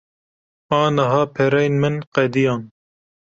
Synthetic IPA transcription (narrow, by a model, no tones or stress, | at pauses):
ɑːnɐɦɑːpʰɛɾɛjnmɨnqɛd̪ijɑːn